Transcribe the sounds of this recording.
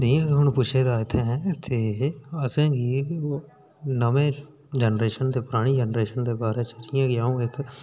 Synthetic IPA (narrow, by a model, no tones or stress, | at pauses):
ɾijãːkiɦʊnpʊt͡ʃʰeːd̪aːet̪ʰẽɦɛ̃t̪ʰeəsẽːɡi | nəmẽː | d͡ʒɛnɾeːʃənd̪epʊɾaːɽ̃id͡ʒənɾeːʃənd̪eːbaːɾeːt͡ʃəɾijãːɡɪaːũeːk